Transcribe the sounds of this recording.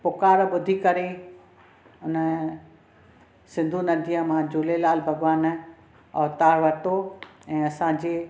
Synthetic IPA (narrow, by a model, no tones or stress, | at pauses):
pʊkaːɾɓʊd̪ʱikɐɾe | ʊnə | sɪ̃nd̪ʱunɐd̪ʱijə̃mãːd͡ʑʊːlelaːlbʱɐɡʋaːn | ɔːɾt̪aːɽʋɐt̪oɛ̃ːɐsãːd͡ʑeː